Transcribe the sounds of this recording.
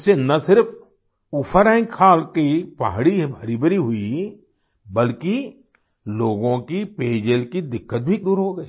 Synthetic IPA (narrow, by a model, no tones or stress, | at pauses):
senɐsɪɾfʰ | ʊpʰəɾɛ̃ːɪ̃ŋkʰaːlkipaɦɽibʱɐɾibɾiɦʊi | bəlki | loːɡõkipeːd͡ʒelkid̪ɪkːət̪̚bʱid̪uːɾɦoɡəiː